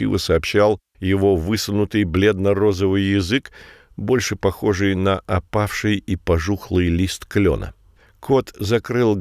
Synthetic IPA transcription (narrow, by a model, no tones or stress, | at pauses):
ḭvə̰sɐːpɕːalˠ | jɪvo̞vɨsənʊt̪ɨjblʲe̞d̪nɐɾo̞zəvɨjːɪzɨk | bo̞lʲʂɨpɐxo̞ʐɨjnəʔɐpafʂɨjipɐʐuxlˠɨjlʲist̪klʲo̞̰nə̰ | kʰot̪zɐkɾɨlˠ